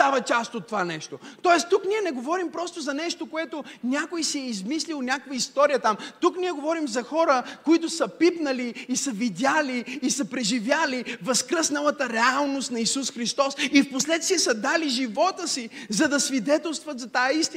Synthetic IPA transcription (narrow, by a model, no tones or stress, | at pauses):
t̪avɐt͡ʃast̪ot̪ːovanɛʃt̪ot̪ɔɛst̪ukniɛnɛɡovɔɾimpɾɔst̪ozɐnɛʃt̪okoɛt̪onʲakojsiɛizmislilˠnʲakvəist̪ɔɾijət̪amt̪uknʲiɛɡovɔɾimzɐxɔɾəkoit̪ʊsəpipnɐliːsəvid̪ʲjaliːsəpɾɛʒivʲjalivɐskɾəsnɐlˠət̪əɾɛalˠnost̪nɐisusxɾist̪ɔsifposlɛt̪st̪viɛsəd̪aliʒivɔt̪əsizɐd̪ɐsvid̪ɛt̪ɛlˠst̪vɐt̪zɐt̪ajɐist̪i